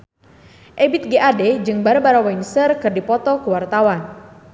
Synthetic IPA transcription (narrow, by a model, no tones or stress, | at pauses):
ʔebɪt̪̚ɡeʔaded͡ʒɨŋbaɾabaɾawainsərkɨrdipɔt̪ɔkəwart̪awan